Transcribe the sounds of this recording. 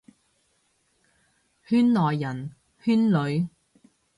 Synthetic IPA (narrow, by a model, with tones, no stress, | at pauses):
hyː˥nlɔː˨jːɐ˨˩n | hyː˥nlɵ˨˧ɥ